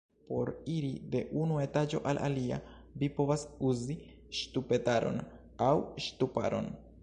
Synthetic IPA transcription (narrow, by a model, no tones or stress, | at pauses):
po̞ɾiɾide̞ʔunue̞tad͡ʒo̞̰ʔalʔa̰lia̰ | vipo̞vasuzi | ʃtupe̞taɾo̞̰n | awʃtupa̰ɾo̞̰n